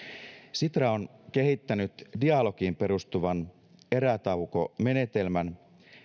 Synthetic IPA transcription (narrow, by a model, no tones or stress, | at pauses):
sit̪rɑonke̞ɦit̪ːænyt̪diɑlo̞kimpe̞ɾust̪uʋɑn | e̞ɾæt̪ɑwko̞̰me̞ne̞t̪e̞lmæn